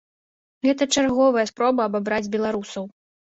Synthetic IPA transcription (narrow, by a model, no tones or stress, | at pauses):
ɣɛt̪ɐt͡ʂarɣɔvɐjɐspɾɔbɐɐbabɾad͡zʲbʲɛlˠaɾusɐw